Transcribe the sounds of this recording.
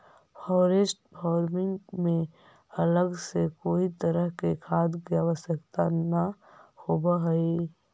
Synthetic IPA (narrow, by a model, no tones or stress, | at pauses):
fʰɔːɾesʈbɔːɾmɪ̃ŋɡmẽ | ələɡsekoːit̪əɾəɦkekʰaːd̪kjaːʋəsəkt̪anahobaɦɛi